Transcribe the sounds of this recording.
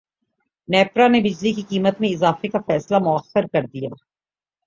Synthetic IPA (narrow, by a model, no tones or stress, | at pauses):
nɛːpɾanebɪd͡ʒlikikiːmət̪mẽɪzaːfekafɛːslamʊəxːəɾkɐɾd̪ija̰ː